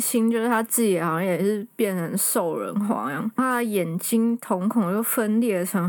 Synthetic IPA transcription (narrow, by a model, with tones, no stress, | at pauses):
ɕi˥ŋt͡ɕjo˥˧ʊʂ̩˥˩t̪ʰa˥t͡sɹ̩˥˩i˨˩˨hɑ˨ʊɕɑ˥ŋjɛ˨˩ʂɻ̩˥˧pjɛ˥˩nt͡sʰə˧˥nʂo˥˩ʊɻə̰˧˦nxwɑ̰˧˥˦jɑ̰˥˩tʰa˥d̪ə˨jɛ˨˩nt͡ɕi˥ŋt̪ʰʊ˧˥ŋkʰŋt͡ɕjo˥˩ʊfə˦nljɛ˥˩ə˨˩ʈ͡ʂʰə˧˥ŋ